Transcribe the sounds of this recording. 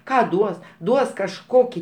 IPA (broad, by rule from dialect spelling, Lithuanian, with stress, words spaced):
ˈkɑː ˈduɔs ˈduɔs kɐʃˈkoːkʲiː